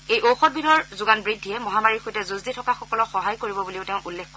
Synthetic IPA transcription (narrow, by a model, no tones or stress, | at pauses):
ejʔowxɔt̚binɔɹzʊɡanbɹidʱːijɛmɔɦamaɹiɹxojtɛzuzditʰɔkaxɔkɔlɔxɔɦajkoɹibɔbuliʊtɛʊ̃ʔulːɛkkɔ